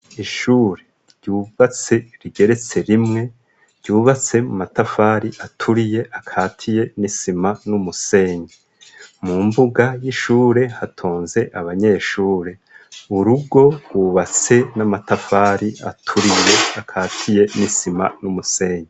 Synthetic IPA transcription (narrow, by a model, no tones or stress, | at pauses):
iʃuːɾe̞̥ | ɟ̥juːβat͡se̞ɾiɡeɾe̞t͡se̞ɾimŋe̞̥ | ɟ̥uːβat͡se̞mumatafaːɾiʔatʰuɾije̞ʔakʰaːtʰije̞nisimanumuse̞ːɲe | mumbuɡajiʃuːɾe̞hatʰoːnze̞ʔaβaɲe̞ːʃuːɾe̞ | uɾuɡo̞ɾɡwuːβat͡se̞namatafaːɾia̰tʰuɾije̞akʰaːtʰije̞nisima̰numuse̞ːɲe